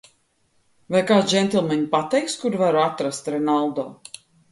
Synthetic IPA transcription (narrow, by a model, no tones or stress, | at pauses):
vajkaːt̪d͡ʒɛnt̪ʲilˠmɛɲʲpat̪ɛjkskuɾvaɾuat̪ɾast̪ɾɛnalˠd̪ɔː